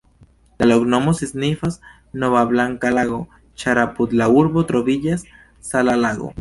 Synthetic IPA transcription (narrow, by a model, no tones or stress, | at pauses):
laloɡnomoseznifas | noβaβlaŋkalaɣo | t͡ʃaɾaput̪lauɾβot̪ɾoβiʎasː | alalaɣo̰